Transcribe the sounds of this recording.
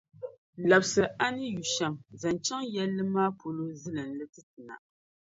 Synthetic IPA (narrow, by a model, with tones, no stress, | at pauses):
la˨bsɨ˨ʔa˦nɨ˦ju˨ʃa˨mza˨nt͡ʃa˦ŋjɛ˦lːɨ˦maː˦pʰo˨lo˦zɨ˦lɨ˨n˨lɨ˦tɨ˦tɨ˨na̰˨